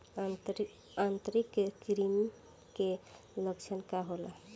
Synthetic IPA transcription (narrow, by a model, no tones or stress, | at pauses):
ant̪ɾikkːɾim | ke | ləkt͡ʃʰənkaɦola